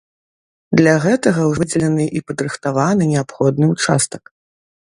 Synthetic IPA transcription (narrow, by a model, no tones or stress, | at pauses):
d̪lʲaɣɛt̪ɐɣɐwʐɨd͡zʲɛlʲɛnɨʔipɐd̪rɨxt̪avanɨnʲɛapxɔd̪nɨut͡ʂa̰st̪ɐ̥k